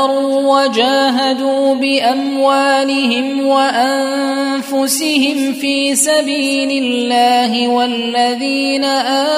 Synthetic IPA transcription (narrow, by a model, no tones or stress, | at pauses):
ɾuːwad͡ʒaːɦad̪uːbɪʔamwaːlɪɦɪmwaʔan | fʊsɪhɪmfiːsabiː | lɪlːaːɦɪwalːaðiːnaʔaː